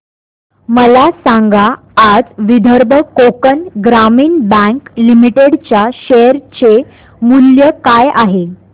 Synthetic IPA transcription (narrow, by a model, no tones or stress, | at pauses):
məlasãŋɡaː | d͡zʋid̪ʱəɾbʱəkokənɡɾamiːnbə̃ŋklimiʈeɽt͡ɕjaɕejəɾt͡ɕe | muljəkajaɦe